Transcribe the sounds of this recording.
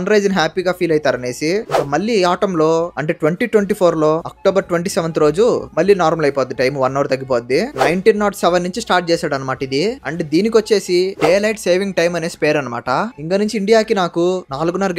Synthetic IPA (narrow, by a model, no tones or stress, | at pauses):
nɾɐjd͡ʒɐnɦaːpiːɡaːpʰiːlɐjit̪aːɾɐne̞ːsiiŋkɐmɐɭːiaːʈɐmlo̞ːɐɳʈe̞ːʈʋeɳʈiːʈwʋeɳʈiːpʰoːɾlo̞ːɐk̚ʈoːbɐɾʈʋeɳʈiːsɛʋɐnt̪iɾo̞ːd͡ʒumɐɭːiːnaːɾmɐlɐjpoːt̪d̪iʈɐjmʋɐnːɐːɾut̪ɐɡːip̬ot̪d̪d̪inɐjɳʈinːaːʈsɛʋɐnːuɲt͡ʃisʈaːɾʈ̚t͡ʃɛːsaːɽɐnɐmaːʈɐid̪iɐɳʈeːd̪iːnik̬iʋɐt͡ʃːe̞ːsiɖeːlɐjʈse̞ːʋiŋɡ̚ʈɐjmɐne̞ːspeːɾɐnɐma̰ːʈɐiŋkɐnuɲt͡ʃiːɳɖijaːkinaːkunaːluɡunːɐɾ